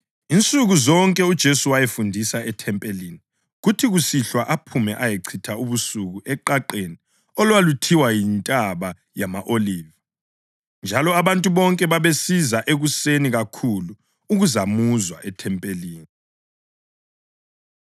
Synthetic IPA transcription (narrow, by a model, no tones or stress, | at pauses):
int͡sʼuɣuzɔŋkʼɛud̥ʒ̥ʱesuwajefundʱisaɛtʰɛmpʼelini | ɣutʰiɣusiɬwaʔapʰumɛʔajeǀʰitʰauβusuɣuʔɛǃaǃeni | ɔlwalutʰiwajintʼaβa | jamaʔoliːva | nd͡ʒʱalɔaβantʼuβɔŋkʼɛβaβesizaʔeɣuseniɣakʰulu | uɣuzamuzwa̰ʔɛtʰɛmpʼeliːni